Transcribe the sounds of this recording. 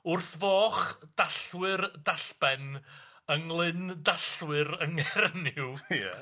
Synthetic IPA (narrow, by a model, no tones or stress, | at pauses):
ʊrθvɔːχd̥aɬwɨrdaɬbɛn | əŋlˠɪndaɬwɨɾəŋɛrnɪwjɛ̰